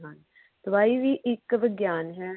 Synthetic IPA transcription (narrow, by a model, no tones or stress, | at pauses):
ɦan | t̪ʋaːiːʋiːʔɪkʋɪɡjaːnɦɛː